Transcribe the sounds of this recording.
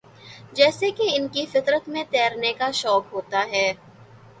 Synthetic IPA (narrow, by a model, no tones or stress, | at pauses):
d͡ʒɛːsekeɪnkifɪt̪ɾət̪mẽt̪ɛːɾnekaʃɔːkɦoːt̪aɦɛː